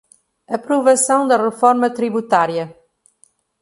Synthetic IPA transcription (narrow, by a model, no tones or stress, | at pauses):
ɐpɾuvɐsãwd̪ɐrəfɔɾmɐt̪ɾiβut̪aɾjɐ